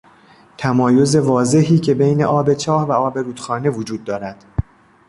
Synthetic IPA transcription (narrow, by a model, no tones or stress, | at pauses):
t̪ʰæmɒːjo̞ze̞vɒːze̞ɦiːcʰe̞be̞jne̞̰ʔɒːbe̞t͡ʃʰɒːhvæɒːbe̞ɾuːd̪̥xɒːne̞vod͡ʒuːd̪̚ːɒːɾæd̪̥